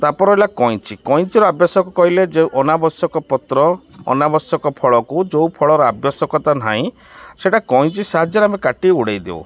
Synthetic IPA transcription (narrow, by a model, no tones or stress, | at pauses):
t̪apɔɾɔɦjlakɔĩt͡ʃikɔĩt͡ʃiɾɔabjɔsɔkukɔɦiled͡ʒeʔɔnabɔsɔkɔpɔt̪ɾɔ̰ː | nabɔsjɔkɔpʰɔɭɔkud͡ʒowpʰɔɭɔɾɔabjɔsɔkɔt̪an̤ãĩ | seʈakɔj̃t͡ʃisaɦad͡ʒjɔɾeamekaʈiuɽejd̪ḛw̰